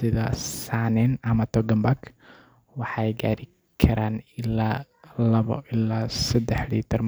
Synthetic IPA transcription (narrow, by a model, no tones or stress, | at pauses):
sɪðasaʕnɛnɐmɐt̪ʰɔɡɐmbaɡ | wɑħɑɛjɡaːɾɪ | kʰɐɾaːnɪlaː | lɐβɐ̰ɪlaːsɐd̪ɛħlḭːt̪ʰɐrm